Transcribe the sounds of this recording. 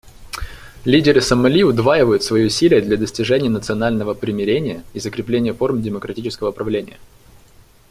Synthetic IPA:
lʲidʲɪɾɨsəmːɐlʲiʊd̪vajɪvəjʊt̪svɐjiʊsʲilʲɪjəd̪lʲɐd̪əsʲtʲɪʐɛnʲɪjənət̪sɨɐnalʲnəvəpɾʲɪmʲɪɾʲenʲɪjəizəkɾʲɪplʲenʲɪjəfo̞rmdʲɪməkɾɐtʲit͡ɕɪskəvəʊpɾɐvlʲenʲɪjə

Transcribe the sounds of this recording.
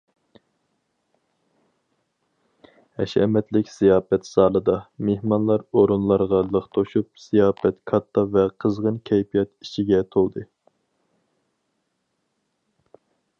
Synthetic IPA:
hɛʃɛ̰mɛt̪lɪkʲsijɑːfɛt̪sɑːlˠɨd̪ɑmehmɑnlˠɑɾoɾunlˠɑɾʁɑlˠəχt̪ʰoʃup̚sijɑːfɛt̪kʰɑt̪ʰːɑvɛqʰəzʁənkʲʰɛjpijɑt̪it͡ʃʰiɡʲɛt̪ʰolˠd̪ɨ

